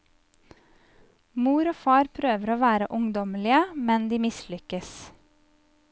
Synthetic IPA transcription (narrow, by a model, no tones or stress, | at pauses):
muːɾoːfɑːɾpʰɾøːʋəɾoːʋæːɾəʔʊŋd̪ɔmlɪəmɛnd̪iːmɪslʏkəs